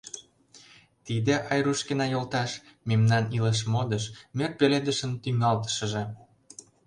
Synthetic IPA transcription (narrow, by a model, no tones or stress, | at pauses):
t̪id̪ĕʔɑjɾuʃkenɑjolt̪ɑʃmemnɑniləʃ̬mod̪ə̆ʃmerpeled̪ə̆ʃə̆nt̪yŋɑlt̪ə̥ʃə̆ʒĕ